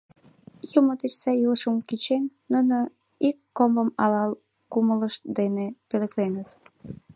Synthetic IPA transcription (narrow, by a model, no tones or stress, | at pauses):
jumot̪et͡ɕsɑiləʃəmkit͡ɕennuno | ikːombəmɑlɑl | kumələʃt̪d̪enepeleklenət̪